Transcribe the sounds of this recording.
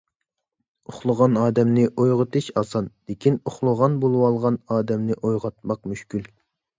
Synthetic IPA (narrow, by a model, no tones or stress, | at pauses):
oχlˠəʁɑnɑːd̪ɛmnɪʔojʁɨt̪ɨʃɑsɑnd̪̥ekʲʰinoχlˠəʁɑnbolˠwɑlˠʁɑnɑːd̪ɛmnɪʔojʁɑt̪̚mɑqmyʃkʲyl